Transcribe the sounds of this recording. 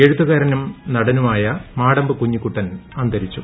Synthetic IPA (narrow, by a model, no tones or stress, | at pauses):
eɻut̪ːɐɣaːɾɐnumnɐɽɐnumaːjɐmaːɽɐmbɨkuɲːikːuʈːɐnɐnd̪ɐɾit͡ɕːu